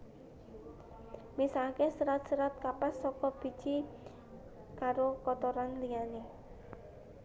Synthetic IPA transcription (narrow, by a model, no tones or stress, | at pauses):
misakesəɾat̪̚səɾat̪̚kapasːɔkɔb̥i̤d̥d͡ʒ̥i | kaɾokɔt̪oɾanlijane